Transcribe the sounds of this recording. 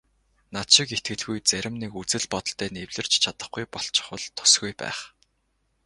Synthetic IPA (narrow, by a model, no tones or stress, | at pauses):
nat̪ʃɪ̆ket̪̚ɡɘ̆ɮɣujt͡sæɾʲɪ̆mnekut͡sɘ̆ɮpɔt̪ɞ̆ɬt̪ʰːæːnewɮɘ̆r̥t͡ɕt͡ɕʰat̪ə̆χɡujpɔɬt͡ɕɪ̥̆χwə̆ɮt̪ʰʊ̥sɡujpæ̰ːχ